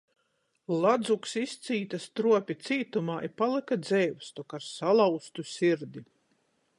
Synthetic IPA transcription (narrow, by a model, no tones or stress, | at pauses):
lˠad̪zuksist̪siːt̪ast̪ɾuɔpʲit̪siːt̪umaːʔipalˠikad̪zɛjwst̪ɔkaɾsalˠawst̪usʲiɾd̪i